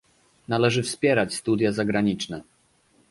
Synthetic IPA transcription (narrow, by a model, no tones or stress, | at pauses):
nalɛʐɘfspʲjɛɾat͡ɕst̪ud̪ʲjazaɡɾaɲit͡ʂnɛ